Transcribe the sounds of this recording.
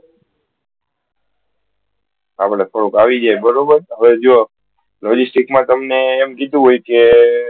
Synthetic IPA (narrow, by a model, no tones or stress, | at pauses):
apɽefʰəɽukaʋid͡ʒajbəɾobəɾɦəʋed͡ʒoo | lɔd͡ʒisʈikmãt̪əmneːmkid̪ũɦojke